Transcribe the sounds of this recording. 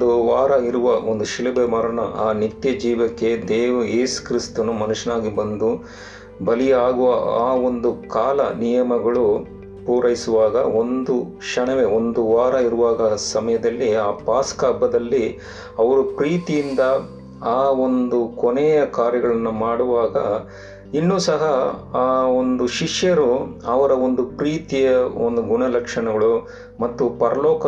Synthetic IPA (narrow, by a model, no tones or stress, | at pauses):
d̪uʋaːɾɐiɾuʋɐo̞nd̪uʃiɭɐbemɐɾɐɳɐʔaːnit̪jɐd͡ʒiːʋɐkːe̞d̪eːʋɐjeːsu̥kɾist̪ɐnumɐnuʃɐnaːɡibɐnd̪u | bɐlijaːɡuʋɐaːo̞nd̪ukaːlɐ̰nijɐmɐɡɐɭu | puːɾɐjisuʋaːɡɐo̞nd̪u | ʃɐɳɐʋe̞o̞nd̪uʋaːɾɐiɾuʋaːɡɐsɐmɐjɐd̪ɐlːiaːpaːskɐːbːɐd̪ɐlːi | ɐʋɐɾupɾiːt̪ijind̪ɐ | aːo̞nd̪ukonɛːjɐkaːɾjɐɡɐɭɐnːumaːɽuʋaːɡɐ | inːuːsɐɦɐaːond̪uʃiʂjɐɾuɐʋɐɾɐond̪upɾiːt̪ijɐond̪uɡuɳɐlɐkʂɐɳɐɡɐɭu | mɐt̪ːupɐɾɐlɔːkɐ